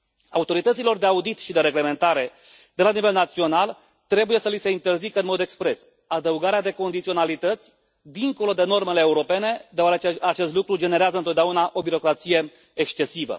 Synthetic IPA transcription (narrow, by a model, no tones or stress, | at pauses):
aut̪o̞ɾit̪ət̪silo̞rd̪e̞aud̪it̪ʃid̪e̞ɾe̞ɡle̞me̞nt̪aɾe̞ | d̪e̞lanive̞lnat̪sio̞nal | t̪ɾe̞buje̞səlise̞int̪e̞rzikəɨnmo̞d̪ekspɾe̞s | ad̪əuɡaɾead̪e̞ko̞nd̪it̪sio̞nalit̪ət̪sʲ | d̪iŋko̞lo̞d̪eno̞rme̞le̞ːuɾo̞pe̞ne̞d̪eoaɾet͡ʃeat͡ʃe̞st̪lukɾud͡ʒe̞ne̞ɾeazəɨnot̪d̪eaunaʔo̞biɾo̞kɾat̪sije̞ | ekst͡ʃe̞sivə̰